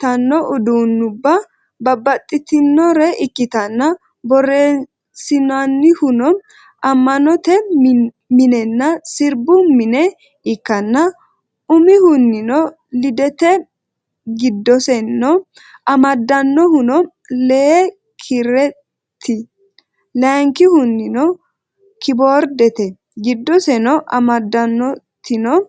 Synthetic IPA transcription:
t̪ɐnːɔʔʊd̪unːʊbːɐ | bɐbːɐt̪ʼːɪt̪ɪnːɔɾɛʔɪkːɪt̪ɐnːɐ | bɔrːeː | sɪnanːɪhʊnɔm | ɐmːɐnɔt̪ɛ | mɪnɛnːɐsɪɾbʊmɪnɛ | ɪkːɐnːɐ | ʊmɪhʊnːɪnɔ | lɪd̪ɛt̪ɛ | ɡɪd̪ːɔsɛnːɔ | ɐmɐd̪ːɐnːɔhʊnɔ | leː | kʰɪɾɛ | t̪ʰːɪ | lɛŋkɪhʊnːɪnɔ | kʰɪboːɾd̪ɛt̪ɛ | ɡɪd̪ːɔsɛnɔʔɐmɐd̪ːɐnːɔt̪ːɪnɔ

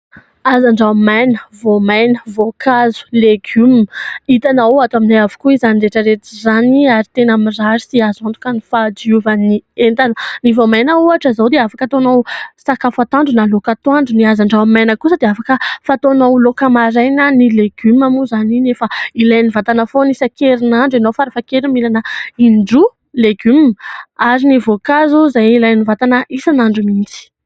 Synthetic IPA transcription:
azaɳɖ͡ʐawmajnəvomajnəvokʰazu̥leɡymit̪anaoat̪waminajavu̥kuizaniɾeʈ͡ʂəɾet̪izaniaɾit̪enamizaɾisiazant̪u̥kənifad͡ʒiuvənient̪anənivomajnəuaʈ͡ʂəzawd̪eafakət̪onowsakafat̪aɳɖ͡ʐunalokat̪waɳɖ͡ʐuniazaɳɖ͡ʐawamajnəkusəd̪eafakəfat̪onowlokamaɾajnanileɡ̥ymamuzaninefailajnivat̪anəfonisakeɾinaɳɖ͡ʐenowfaɾafakeɾimilanəiɳɖ͡ʐu | leɡymaɾinivokazuzajilajnivat̪anəʔisanaɳɖ͡ʐumint͡si̥

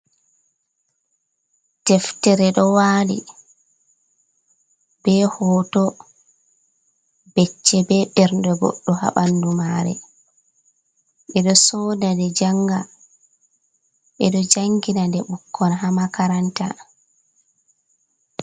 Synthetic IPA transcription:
tɛftɛɾɛɗɔwaːlḭ | b̥ɛhɔːtɔ | bɛt͡ʃːɛbɛɓɛɾndɔɡɔ̰ɗːɔha̰ɓandumaːɾɛ̰ | ɓɛɗɔsɔːdadɛd͡ʒaŋɡa | ɓɛɗɔd͡ʒaŋɡinandɛɓukːɔnɦamakaɾanta̰

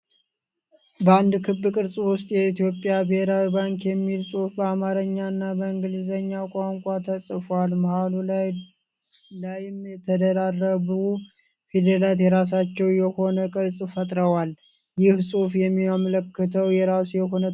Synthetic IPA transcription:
bəand̪kʰɨbːɨkʼɨɾsʼwʊst̪ʼjɛit̪jo̞pʼjabɨheɾawibaŋkjɛmːilsʼufbəamaɾəɲːanːabəɨŋɡɨlzəɲːakʷʼaŋkʷʼat̪ʰəsʼfalmahalu | lajɪmjɛt̪ʰəd̪əɾarːəβu | fed̪elat̪jɛɾas̬at͡ʃːɛwjɛho̞nəkʼɨɾsʼfət̪ʼɾəwal | jɪhsʼufjɛmːiamləkːət̪ʰəwjɛɾasujɛɦo̞nə

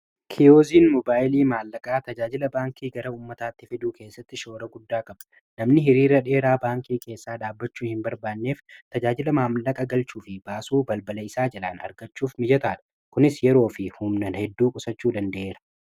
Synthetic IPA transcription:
kʰɪoːziːnmɔbaːjɪliːmaːlːɐkʼaːt̪ɐd͡ʒaːd͡ʒɪlɐbaːŋkiːɡɐɾɐuːmːɐt̪aːt̪ːɪfɪd̪uːke̞ːsːɐt̪ːɪʃo̞ːɾɐɡʊd̪ːaːkʼɐbᶑɐ̥ | nɐmnɪɦɪɾiːɾːɐᶑe̞ːɾaːbaːŋkiːkʰe̞ːsːaːᶑaːbːɐt͡ʃːuːhɪmbɐɾbaːnːeːft̪ɐd͡ʒaːd͡ʒɪlɐmaːmlɐkʼɐɡɐlt͡ʃuːfɪbaːsuːbɐlbɐlɐɪsaːd͡ʒɐlaːnɐ̰ɾɡɐt͡ʃːuːfmɪd͡ʒɐt̪aːᶑɐ̥ | kʊnɪsjɛɾo̞ːfɪhʊmnɐnhɛd̪ːuːkʼʊsɐt͡ʃːuːd̪ɐnd̪ɐʔe̞ːɾɐ

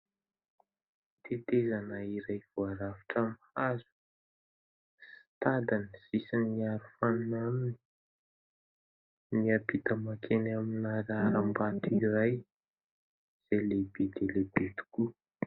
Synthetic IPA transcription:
t̪et̪ezanaiɾajv̥oaɾaviʈ͡ʂamhazu̥ | si̥t̪ad̪ansisinːiaɾufannamini̥ | niabit̪əmakʰenaminaɾaɾambat̪iɾaj | z̥elebed̪elebet̪u̥ku

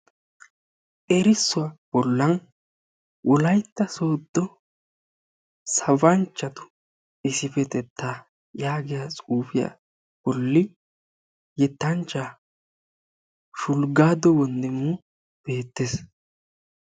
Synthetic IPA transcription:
ɛɾɪsːʊab̥ɔlːɐn | wʔɔlɐjt̪ːɐsoːd̪ːɔ | sɐwɐnt͡ʃːɐt̪ʊ̥ | ɪsɪfɛt̪ɛt̪ʰːaː | jaːɡɪjat͡sʼuːfɪja̰ | b̥ɔlːɪ | jɛt̪ːɐnt͡ʃːaː | ʃʊlɡaːd̪ɔwɔnd̪ɛmːʊ | b̥e̞ːt̪ːes

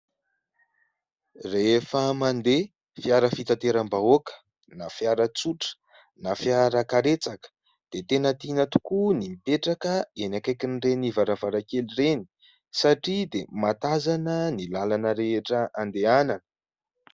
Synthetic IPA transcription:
refəmand̪e | fiaɾəfit̪at̪eɾambaokə̥ | nafiaɾət͡suʈ͡ʂə̥ | nafiaɾəkaɾet͡sakə̥ | d̪̥et̪enət̪inət̪u̥kunimipeʈ͡ʂakəenakajkinrenivaɾavaɾakelireni̥ | saʈ͡ʂid̪emat̪azanənilalanəɾeʈ͡ʂəand̪eananə̥

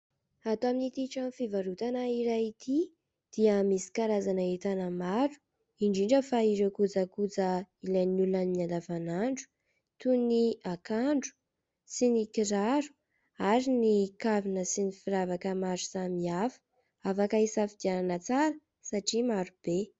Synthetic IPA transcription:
at̪oaminit̪iʈ͡ʂamfivaɾut̪anaiɾajit̪ʰi | d̪̥iəmisi̥kaɾazanaet̪anəmaɾu̥ | iɳɖ͡ʐiɳɖ͡ʐəfaiɾekud͡zakud͡zəilanulanːand̪avanaɳɖ͡ʐu̥ | t̪uniakaɳɖ͡ʐu̥ | sinikiɾaɾu̥ | aɾinikavinəsinifiɾavakəmaɾusamiafə̥ | afakaisafid̪jananət͡saɾə | saʈ͡ʂimaɾub̥e

